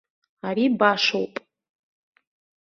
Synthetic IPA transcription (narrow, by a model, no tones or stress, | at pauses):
aɾibaʂowpʼ